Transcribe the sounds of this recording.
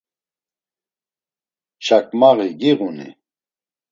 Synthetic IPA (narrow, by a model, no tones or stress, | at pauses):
ʃakmaʁiɡiʁunḭ